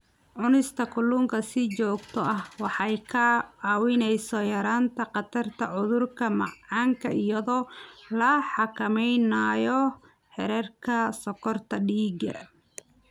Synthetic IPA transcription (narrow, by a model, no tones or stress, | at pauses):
ʕʊnɪst̪ʰɐkʰʊluːŋkʰɐsɪt͡ʃɔːɡt̪ʰɔɐhwɑħɑjkʰɐɑːwɪnɛjsɔjɐɾaːnt̪ʰɐqɑt̪ʰɐrt̪ʰɐʕʊðʊrkʰɐmɑ̰ʕʕɑːŋkʰɐijɐðɔːlɐħɑkʰɐmɛjnajɔ | ħɛ̰ɾɛrkʰɐsɔkʰɔrt̪ʰɐɖiːɡɐ̰